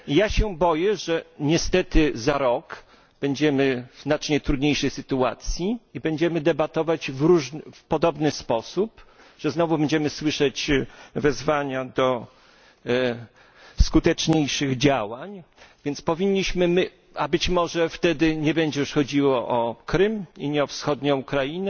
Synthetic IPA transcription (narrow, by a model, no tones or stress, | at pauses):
jaɕɛbɔjɛʐɛɲɛst̪ɛt̪ɘzaɾɔk | b̥ɛɲd͡ʑɛmɘvznat͡ʂɲɛt̪ɾud̪ɲejʂɛjsɘt̪ua̰t̪sʲjiibɛɲd͡ʑɛmɘd̪ɛbat̪ɔvad͡ʑvɾuʐfpɔd̪ɔbnɘspɔsup | ʐ̥ɛznɔvubɛɲd͡ʑɛmɘswɘʂɛt͡ɕvɛzvaɲad̪ɔ | skut̪ɛt͡ʂɲejʂɘɣd͡ʑawaɲvʲjɛnt̪spɔvʲiɲːiɕmɘmɘ | abɘt͡ɕmɔʐɛft̪ɛd̪ɘɲɛbɛɲd͡ʑɛjuʂxɔd͡ʑiwɔʔɔkɾɘmiɲɛɔfsxɔd̪ɲɔ̃ukɾajinɛ